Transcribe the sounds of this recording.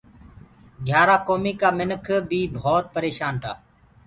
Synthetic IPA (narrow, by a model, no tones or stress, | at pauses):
ɡʱjaːɾaːkoːmiːkaːmɪnəkʰbʱiːbʱoːt̪̚pəɾeːʃaːnt̪ʰa̰ː